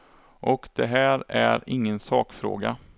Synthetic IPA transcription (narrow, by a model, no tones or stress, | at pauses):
ʔɔkd̪̥ɛɦæːɾæɾɪŋːənsɑːkfɾo̰ːɡa